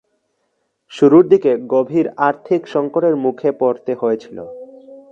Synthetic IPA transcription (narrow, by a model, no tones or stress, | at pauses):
ʃuɾuɾd̪ikeɡobʱiɾaɾt̪ʰikʃɔŋkoʈeɾmukʰepoɾt̪eɦoet͡ɕʰilo̰